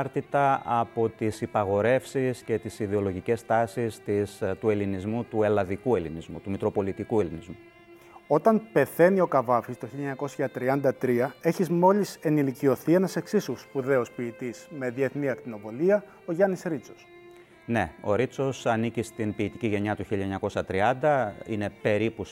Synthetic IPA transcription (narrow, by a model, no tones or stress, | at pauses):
ɾt̪it̪ɐɐpo̞t̪isipɐɣo̞ɾe̞fsisce̞t̪isiðeo̞lo̞ʝice̞st̪ɐsist̪ist̪ue̞linizmut̪ue̞lɐðikue̞linizmṵt̪umikɾo̞po̞lit̪ikue̞linizmu | o̞t̪ɐnpe̞θe̞nio̞kɐvɐfist̪oçiʎɲɐko̞sçɐt̪ɾiɐnd̪ɐt̪ɾiɐe̞çizmo̞lise̞nilicio̞θie̞nɐse̞ksisuspuðe̞ospiːt̪isme̞ðie̞θniɐkt̪ino̞vo̞liɐ | o̞ʝɐnisɾit͡so̞s | ne̞o̞ɾit͡so̞sɐnicist̪inpiːt̪iciʝe̞ɲɐt̪uçilʎːɐeɲɐko̞sɐt̪ɾiɐnd̪ɐine̞pe̞ɾipus